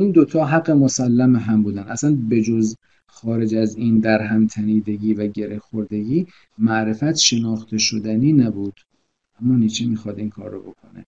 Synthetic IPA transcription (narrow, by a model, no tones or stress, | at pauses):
ind̪ot̪ʰɒːɦæɡːemosælːæmeɦæmbuːd̪ænʔæsænbe̞d͡ʒoz | xɒːɾe̞d͡ʒæziːnd̪æɾɦæmt̪ʰæniːd̪e̞ɡiːvæɟe̞ɾe̞hxoɾd̪e̞ɡiː | mæʔɾe̞fæt̪ʰʃe̞nɒːxt̪ʰe̞ʃod̪æniːnæbuːd̪̥ | ʔæmːɒːnit͡ʃʰimiːxɒːd̪iːnkʰɒ̰ːɾːo̰bo̞̰kʰone